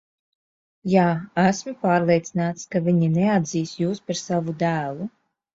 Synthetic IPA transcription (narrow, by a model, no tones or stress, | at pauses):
jaːæsmupaːɾlˠeɛt̪sinaːt̪skaviɲinɛad̪ziːsjuːspaɾsavud̪æːlˠu